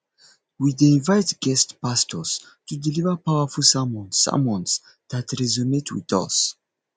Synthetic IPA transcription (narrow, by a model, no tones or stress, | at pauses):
widẽnvajtɡɛstpastʰɔstudilivəpawəfulsamɔ̃nsːa̰mɔ̃ns | datɹɛzumetʰwḭðɔ̰s